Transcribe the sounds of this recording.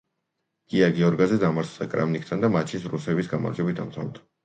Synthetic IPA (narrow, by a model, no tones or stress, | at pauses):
ɡ̥iaɡɛɔɾɡazɛd̪amaɾt̪ʰd̪akʼɾa̰mnik̚ʰt̪ʰand̪amat͡ʃʰisɾusɛvisɡama̰ɾd̪d͡ʒɛbit̪ʰa̰msʰa̰vd̪ḁ